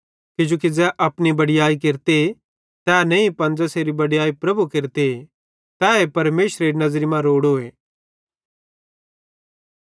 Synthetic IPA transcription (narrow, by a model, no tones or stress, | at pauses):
kɪd͡ʒoːkid͡zɛʔɐpnibɐɽijaːikɪɾt̪e | t̪ɛːnɐ̃ĩpɐ̃nd͡zɐseɾibɐɽijaːipɾɐbukɪɾt̪e | t̪ɛːepɐɾmeːʃɾeɾinɐzɾimãɾoːɽɦoːeː